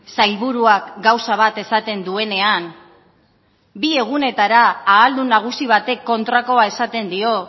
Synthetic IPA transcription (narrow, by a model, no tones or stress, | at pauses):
sajlβuɾuakɡawsaβ̞at̪e̞sat̪e̞nd̪ue̞ne̞an | bie̞ɣ̞une̞t̪aɾaːld̪unaɣ̞usiβ̞at̪e̞kːo̞nt̪ɾako̞ae̞sat̪e̞nd̪io̞